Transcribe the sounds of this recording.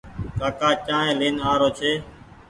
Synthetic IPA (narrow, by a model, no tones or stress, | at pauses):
kaːkaːt͡ʃãːɦẽːleːnaːɾoːt͡ʃʰeː